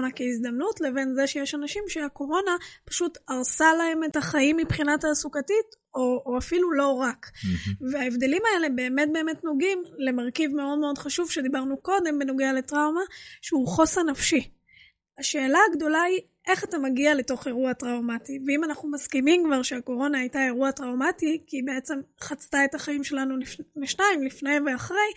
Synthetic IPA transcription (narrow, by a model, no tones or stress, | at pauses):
nakeizd̪amnutle̞ve̞nzeʃejeʃanaʃimʃeako̞ʁo̞napḁʃutaʁsalae̞metaχaimːipχinataːsukatit | oːafilulo̞ʁakveaevde̞limaele̞be̞ːmet̚be̞ːmetno̞ɡimle̞maʁkivme̞o̞dmeo̞dχaʃuvʃe̞dibaʁnuko̞de̞mbe̞noɡeale̞tʁawmaʃeuχo̞sanafʃi | aʃe̞ːlaːɡdo̞lai | ʔe̞χatamaɡiale̞to̞χe̞ʁuatʁawmativeimanaχnumaskimimkvaʁʃeako̞ʁo̞naːjtae̞ʁuatʁawmatikibe̞et͡se̞mχat͡stae̞taχaimʃe̞lanulifleʃnaimlifnejve̞aχʁej